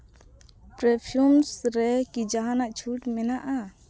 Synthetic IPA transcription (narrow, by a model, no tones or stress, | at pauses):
pɾɛpʰjumsɾɛkid͡ʒaɦanaʔt͡ʃʰuʈmɛnaʔa